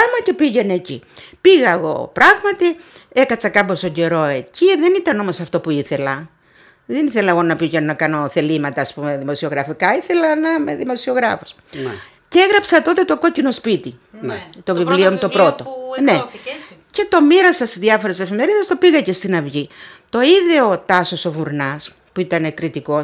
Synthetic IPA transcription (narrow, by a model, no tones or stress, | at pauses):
ɐmɐce̞piʝe̞nːcḭpiɣɐeɣo̞̰pɾɐɣmɐt̪i | e̞kɐt͡sɐkɐpo̞st̪oɟe̞ɾo̞e̞ciðe̞nit̪ɐno̞mo̞sɐft̪o̞puiθe̞lɐ | ðeniθe̞lɐeɣo̞nɐpiʝenonɐkɐno̞θe̞limɐt̪ɐːspume̞ðimo̞sio̞ɣɾɐfikɐiθe̞lɐnɐmḛðimo̞sio̞ɣɾɐfo̥s | ceeɣɾɐpsɐt̪o̞t̪e̞t̪o̞ko̞cinospit̪it̪o̞vivliomut̪opɾot̪onece̞t̪o̞miɾɐsɐsizðjɐfo̞ɾese̞fime̞ɾiðest̪o̞piɣɐce̞st̪inɐvʝit̪o̞iðeot̪ɐso̞so̞vuɾnɐs | puit̪ɐne̞kɾit̪iko̞s